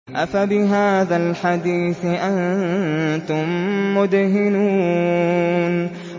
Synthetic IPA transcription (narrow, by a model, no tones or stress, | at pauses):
ʔafabɪɦaːðalħad̪iːθʔan | t̪ʊmːʊd̪hɪnuː | n